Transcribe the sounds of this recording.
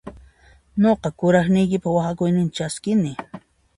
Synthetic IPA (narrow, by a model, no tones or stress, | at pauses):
ɲoqɑkʊɾɑχnɪjkɪpawaxakʊjnɪnt͡ʃaskɪnɪ